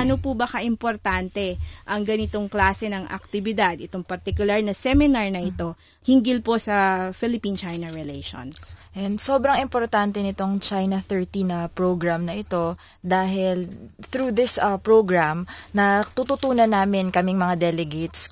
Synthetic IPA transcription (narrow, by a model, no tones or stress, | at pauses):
ʔɐnopubɐkaʔɪmpoɾt̪ant̪ɛʔɐŋɡɐnɪt̪o̞ŋklaːsɛnɐŋʔɐ̰k̚t̪ɪbɪd̪ad̪ɪt̪oŋpɐɾt̪ɪkjʊlaɹnɐsɛmɪnaɹnɐʔɪt̪o̞ | hɪŋɡɪlpo̞sɐfɪlɪpint͡ʃajnɐɹɛlɛjʃo̰nsʔɛnd̪sobɾɐŋɪmpoɾt̪ant̪ɛnɪt̪o̞ŋt͡ʃajnɐθɛɹt̪inɐpɹoɡɹamnɐʔɪt̪o̞ | d̪aːɦɪlθɾuːðɪsɐpɹoɡɹamnɐt̪ut̪ut̪uːnɐnːaːmɪnkɐmiŋmɐŋad̪ɛlɛɡet̪s